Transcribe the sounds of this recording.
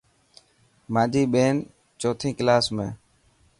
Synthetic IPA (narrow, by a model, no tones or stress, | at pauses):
mãːd͡ʒʱiːɓeːn | t͡ʃoːt̪ʰĩːkɪlaːsmḛ̃ː